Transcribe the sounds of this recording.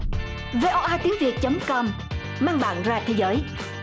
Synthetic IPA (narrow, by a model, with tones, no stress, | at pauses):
ve˧ʔɔ˧ʔaː˧t̪i˨˦əŋvi˨˩ət̚t͡ɕə˨˦mŋ͡mkɔ˧m | maː˧nɓa̰ː˧˨nzaː˧˩t̪ʰe˨˦zəː˨˦j